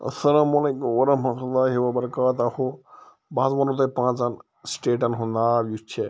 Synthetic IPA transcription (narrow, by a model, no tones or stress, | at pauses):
ɐ̰sɐlaːmɐleːkumʋɐɾɐɦmɐt̪ulːaːɦiʋɐbɐɾɐkaːt̪aho | baːzmɐnut̪ɐpãːt͡sɐn | sʈeːʈɐnɦũnd̪aːbjut͡ʃʰe